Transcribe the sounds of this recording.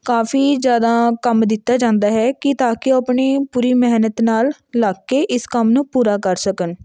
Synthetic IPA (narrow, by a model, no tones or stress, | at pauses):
kaːfʰiːzjaːd̪aːkəmd̪ɪt̪ːaːd͡ʒãːnd̪aːɦɛːkɪt̪aːkɪoapɳiːpuːɾiːmɛɦnət̪naːlː | aːkːeːʔɪskəmnũːpuːɾaːkəɾsəkən